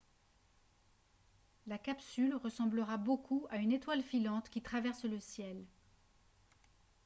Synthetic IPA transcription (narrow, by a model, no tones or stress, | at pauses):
lakapsylʁəsɑ̃bləʁabokʰuaynet̪walfilɑ̃t̪kʲit̪χavɛʁsləsjɛl